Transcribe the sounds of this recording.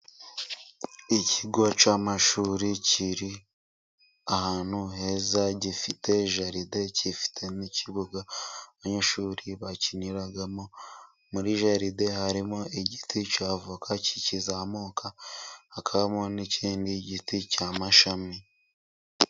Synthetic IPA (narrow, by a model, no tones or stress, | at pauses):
icʰiɡwat͡ʃamaʃuːɾiciɾi | ahaːn̥huɦe̞zaɟifitʰe̞ʒaɾide̞cifi̥tʰe̞niciβuɡaaβaɲaʃuːɾiβaciniɾaɡamo̞ | muɾiʒaɾide̞haɾimo̞iɟitʰicaːvukʰaci̥cizamoːkʰahakʰaβamoniciːndiɟiticamaʃami